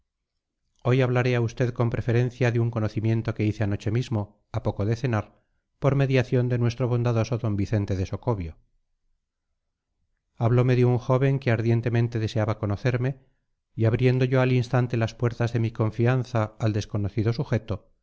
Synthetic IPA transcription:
o̞jaβlaɾeaust̪e̞ðko̞mpɾe̞fe̞ɾe̞n̟θjaðeuŋko̞no̞θimjẽ̞nt̪o̞ke̞iθe̞ano̞t͡ʃe̞mizmo̞ | apo̞ko̞ðe̞θe̞naɾ | po̞ɾme̞ðjaθjo̞nd̪e̞nwe̞st̪ɾo̞β̞o̞nd̪aðo̞so̞ðo̞mbiθe̞nt̪e̞ðe̞so̞ko̞βjo | aβ̞lo̞me̞ðeuŋxo̞βe̞ŋkeaɾðje̞nt̪e̞mẽ̞nt̪eðe̞se̞aβako̞no̞θe̞ɾme̞ | iaβɾje̞nd̪oʝoalinst̪ant̪e̞laspwe̞ɾt̪azðe̞miko̞ɱfianθaːld̪e̞sko̞noθiðo̞suxe̞t̪o̞

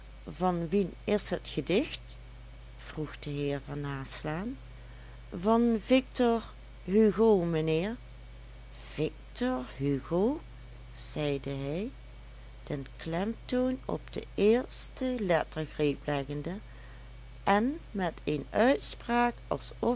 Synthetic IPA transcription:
vɑnʋinɪsɦətxədɪxt | v̥ruxd̥əɦɪːɹvɑnaːslaːn | vɑnvɪk̚tɔɹ | ɦyɣowmənɪːɹ | v̥ɪk̚tɔɹɦyɣow | z̥ɛjdəɦɛj | dənklɛmtownɔ̰bd̥ə̰ɪːɹstəlɛtəɹɣrejplɛɣəndə | ʔɛnmɛtenœɥtspraːkɑ̰lˠsɔ

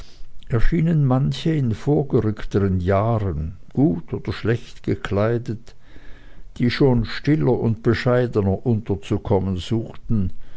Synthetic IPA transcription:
ʔɛɐʃiːnənmançəɪnfoːɐɡəʁʏktəʁənjaːʁənɡ̥uːtoːd̥ɐʃlɛçtɡ̥əkʰl̥aɪdət | d̥iːʃoːnʃtɪlɐʊntb̥əʃaɪdənɐʔʊntɐt͡sukʰɔmənz̥uːxtn̩

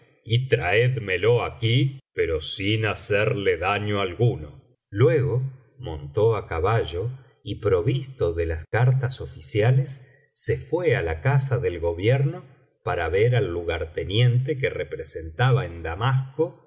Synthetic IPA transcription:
it̪ɾaeðmelo̞akipeɾo̞sinaseɾleðaɲo̞alɣuno | lwe̞ɣo̞ | mo̞nt̪oakaβaʒo̞ | ipɾo̞βist̪o̞ðelaskaɾt̪aso̞fisjalesː | efwealakasaðe̞lɣo̞βjeɾno | paɾaβeɾalːuɣaɾt̪e̞nje̞nt̪e̞kerepɾese̞nt̪aβaend̪amasko̞

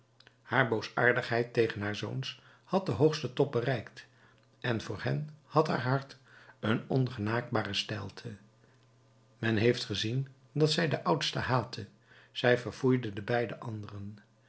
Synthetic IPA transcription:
haːɹbowsa̰ːɹdəχɦɛjtejχənɦaːɹzo̰wns | hɑt̚dəɦowχstətɔp̚bərɛjkt | ʔɛnvʊːɹɦɛnhɑtɦa̰ːɹɦɑɹtənɔnχənaːk̚baːrəstɛlˠtʰə | mɛnɦejftχəzin | dɑtsɛjdəʔʌwtstəɦaːtʰə | z̥ɛjvəɹv̥ujdədəbɛjdəʔɑndərən

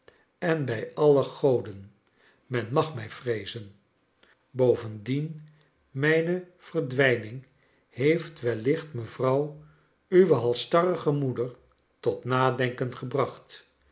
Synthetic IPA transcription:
ɛnbɛjɑləχowdən | mɛnmɑχmɛjfrejzən | bowvəndin | mɛjnə | v̥ərdʋɛjnɪŋ | hejftʋɛlɪχtməvrɑw | yʋəɦɑlˠstɑrəχəmudəɹ | tɔtnaːdɛŋkənχəbrɑχt

